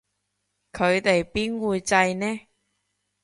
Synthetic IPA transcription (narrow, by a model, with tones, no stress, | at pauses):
kʰɵ˨˧ɥt̪e˨jpiː˥nwuː˧jt͡sɐ˧jnɛː˥